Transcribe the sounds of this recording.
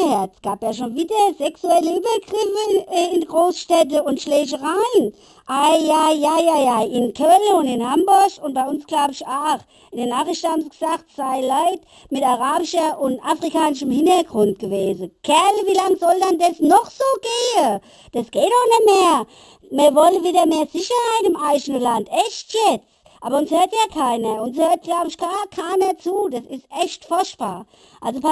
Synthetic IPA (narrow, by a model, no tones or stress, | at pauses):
hɛɐtsɡ̥aːpjaːʃ̬oːnviːdɐzɛksuɛləyːbɐɡʁɪfəɪndəɡʁoːsʃtɛt̬əʊntʃlɛːʃ̬əʁaɪn | ʔajajajajaʔɪnkʰœləʊndɪnhambʊɐçʊnt̚b̥aɪʊnsɡ̥laʊbɪʃaːx | ɪndənaːχʁɪʃtəhaːbmsəɡ̥ə̥z̥aːxtsaɪlaɪt | mɪtaʁaːbɪʃɐʔʊntafʁikʰaːnɪʃəmhɪntɐɡʁʊnt̚ɡ̥əveːzəɡ̥ɛɐlviːlaŋzɔldandasnɔχz̥oːɡ̥eːə | d̥asɡ̥eːtɔxnɛtmeːɐ | miːɐvɔləviːdɐmeːɐz̥ɪçɐhaɪtɪmaɪʃənəlantʔɛʃtjɛt͡s | ʔaːbɐʊnshøːɐtjaːkʰaɪnɐʊnshøːɐt̚ɡ̥laʊbəɪʃkʰaːkʰaɪnɐt͡suːdasɪstʔɛçtfʊɐʃtb̥a̰ːɐ | ʔalzopʰ